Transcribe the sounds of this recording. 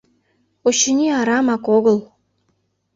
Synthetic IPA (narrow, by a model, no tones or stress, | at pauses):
oɕinʲiɑɾɑmɑkoɣɤ̆lˠ